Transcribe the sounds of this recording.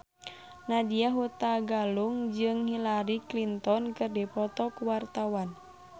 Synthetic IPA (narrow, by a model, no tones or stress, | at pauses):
nadiaɦut̪aɡaluŋd͡ʒɨŋhilaɾiklint̪ɔnkɨrdipɔt̪ɔkuwart̪awan